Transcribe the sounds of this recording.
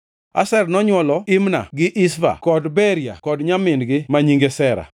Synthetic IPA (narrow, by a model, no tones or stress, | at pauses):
a̰sɛrnɔɲwɔlɔɪmna̰ɡɪʔɪsva̰kɔdbɛɾija̰kɔdɲamɪnɡɪmaɲiŋɡesɛɾa̰